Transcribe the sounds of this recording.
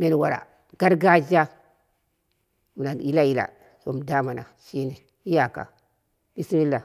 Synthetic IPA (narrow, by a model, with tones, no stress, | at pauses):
me˨n˨wa˨ɾa̰˨ | ɡ̥a˦ɾɡa˦d͡ʒa˦ | mu˨na˨n˨i˦la˦i˦la̰˨ | so˨m˨da˦ma˨na̰˨ʃi˦ni˨ | i˦ja˨ka̰˨ | mi˦si˦mi˦la˨